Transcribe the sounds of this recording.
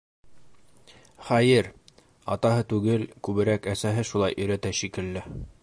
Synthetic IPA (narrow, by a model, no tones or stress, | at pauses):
χæjɘɾ | ɑ̰t̪ɑɦɤt̪ʉɡɘlkʉβɘ̆ɾækæsæɦɘʃulˠɑjʔɵ̆jɾæt̪æʃikɘ̆lːɘ